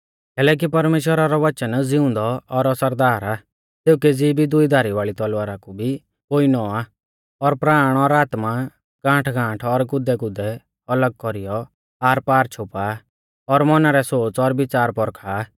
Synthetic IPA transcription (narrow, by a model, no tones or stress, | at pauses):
kɛːlɛːk̬ipɐɾmeːʃwəɾaɾɔʋɐt͡ʃənd͡zɪʊ̃nd̪ɔɔɾɐsəɾd̪aːɾa | seːʊked͡zibʱid̪ʊid̪ʱaːɾiʋaːɭit̪ɔlʋaːɾakubʱi | koːinɔaː | ɔɾpɾaːɽ̃ɔɾaːt̪ma | ɡ̥ãːʈʰɡʱãːʈʰɔɾɡʊd̪ɛɡʊd̪ɛ | ɐləɡ̚kɔɾijɔ | aːɾpaːɾt͡ʃʰʊpa | ɔɾmɔnaɾɛsoːt͡sɔɾbɪt͡saːɾpɔɾkʰaː